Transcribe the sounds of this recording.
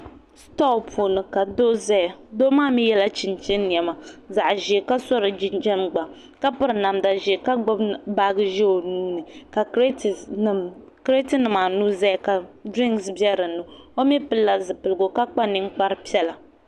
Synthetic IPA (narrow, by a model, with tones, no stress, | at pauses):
stɔ˦˨pʰoː˨nɨ˨ka˨do˦za˦˨do˦maː˦mi˦jɛ˦la˦t͡ʃi˨nt͡ʃɛ˦nː˦i˨ɛ˨ma˨za˨ʔʒɛ˨ka˦sɔ˦ɾɨ˨d͡ʒi˦nd͡ʒɛ˦mɡ͡ba˨ | ka˦pɨ˦ɾɨ˨na˨mda˨ʒɛ˨ka˦ɡ͡bʊ˦bbaː˦ɡɨ˦ʒɛ˦o˨nuː˦nɨ˨ka˨˦˨ | kɾe˦tɨ˦nɨ˨ma˨nuː˦za˦˨ka˨dɾi˦ŋɡsbjɛ˦ɾɨ˨nɨ˨o˦mi˦pɨ˦lːa˦zɨ˨pɨ˨lɨ˨ɡo˨ka˦k͡pa˦ni˦ŋ˦k͡pa˦ɾɨ˦pi˦ɛ˦la˨